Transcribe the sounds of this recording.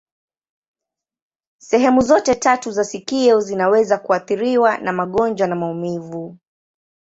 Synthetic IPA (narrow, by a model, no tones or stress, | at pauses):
sɛɦɛmuzɔtɛtatuzasikiɔzinawɛzakuaθiɾiwanamaɠɔnd͡ʒwanamaumivu